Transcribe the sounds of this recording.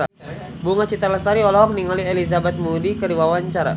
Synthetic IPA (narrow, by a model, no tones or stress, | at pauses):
a | buŋat͡ʃit̪arləsaɾiɔlɔɔŋniŋɔlielizabɛt̪̚mudikədiwawaɲt͡ʃaɾa̰